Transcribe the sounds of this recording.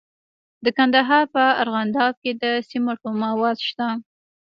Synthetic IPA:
d̪əkand̪aɦɑɾpəa̰ɾɣand̪ɑb̚ked̪əsimoʈomawɑzʃt̪a

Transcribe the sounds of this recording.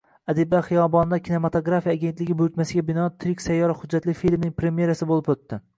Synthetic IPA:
ad̪ɪbaχɨjɒbɒnd̪akʲʰine̞mat̪ʰoɡɾafijaːɡʲe̞nt̪lɪɡʲɪbʊɾʊt̪masɪɡʲabɪnɒt̪ʰɾɪkʲsajːɒɾahʊd͡ʒːat̪lɪfilʲmnɪŋʲpʰɾe̞mje̞ɾasɪbolɪpot̪ːɪ

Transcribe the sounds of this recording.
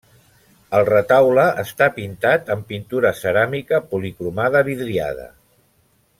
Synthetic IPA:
əlˠrət̪awləʔəst̪apint̪at̪əmpint̪uɾəsəɾamikəpulikɾumaðəβiðɾia̰ðə̰

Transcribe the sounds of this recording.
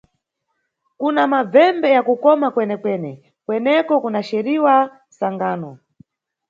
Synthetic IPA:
kunamab͡vɛmbɛjakukɔmakwɛnɛkwɛːnɛ | kwɛnɛkɔkunaʃɛɾiwa | saŋɡaːnɔ

